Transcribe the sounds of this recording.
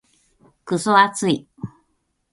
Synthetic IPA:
kɯsoat͡sɨi

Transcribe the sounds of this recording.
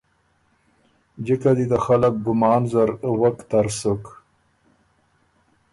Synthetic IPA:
d͡ʒikad̪id̪əxalak̚ɡʊmɑːnzaɾwakt̪aɾsək

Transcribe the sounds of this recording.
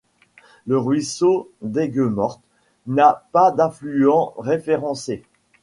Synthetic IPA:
ləʁɥisod̪ɛɡømɔʁt̪ | napad̪ɛ̃flyɑ̃ʁefeʁɑ̃se

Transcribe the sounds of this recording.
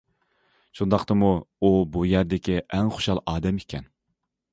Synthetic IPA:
ʃund̪ɑqt̪ɨmuubujæɾd̪ɪkʲiʔɛŋχo̥ʃɑlˠɑːd̪ɛmekʲʰɛn

